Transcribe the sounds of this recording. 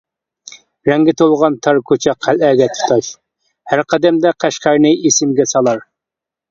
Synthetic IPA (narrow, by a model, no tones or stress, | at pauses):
ɾɛŋɡʲɪt̪ʰolˠʁɑnt̪ʰɑɾkʰot͡ʃʰɛqʰːælæːɡʲɛt̪ʰu̥t̪ʰɑʃ | hæɾqʰɑd̪ɛmd̪ɛqʰæʃqæɾnɨesɪmɡʲɛsɑlˠɑɾ